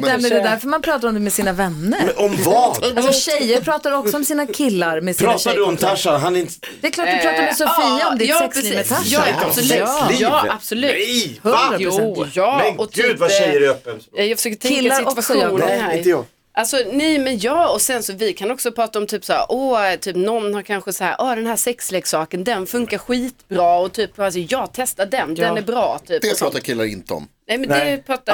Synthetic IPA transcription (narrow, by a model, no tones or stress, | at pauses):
d̪æɾmɛɛd̪æɾfœɾmanpʰɾɑːt̪aɾɔmd̪ɛmɛsiːnavɛnːəɾɔmvɑalsɔɕɛjːəɾpʰɾɑːt̪aɾɔksɔɔmsiːnakʰɪlːaɾmɛspʰiːɾɑaad̪ʉɔmt̪ʰaʂaɦanɛɾɪnt̪ | d̪̥ɛɛkʰlɑːʈd̪ʉɾɑːtd̪ɔmɛsɔfiːnaɔmd̪ɛɑːɛsɾɛmɛt̪ʰajaslːɑːab̥sɔlʉ̟ːhœ | jɑːmɛɔt̪ʰʉːd̪vaɛjəɾœpːənjɑjaɡfə̥ʂøːkət̪ʰkʰːɪlːaɾɔksɔ | ʔalsɔnɛjmɛnjɑːɔsɛnsɔvɪkʰanɔksɔpʰɾɑːt̪aɔmt̪ʰyːpsahæ̰ːɾʔɔːt̪ʰyːpnɔnːhaɾkʰanɧəsahæ̰ːɾʔɔːd̪ɛnhæːsɛksleːɡsɑːkənd̪ɛnfɵŋkaɾɧiːt̪bɾɑːɔt̪ʰyːpːsɛjɑːɡt̪ʰɛst̪adɛnd̪ɛnæɾbɾɑːt̪ʰyːpd̪ɛpʰɑːt̪akʰɪlːaɾɪ̰nt̪əɔ̰mnɛjmɛnd̪ɛpʰɾɑːt̪ːa